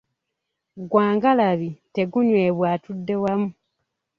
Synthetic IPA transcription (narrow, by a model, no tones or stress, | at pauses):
ɡwaːŋɡalaβite̞ɡuɲweːβwaːtudːe̞wamu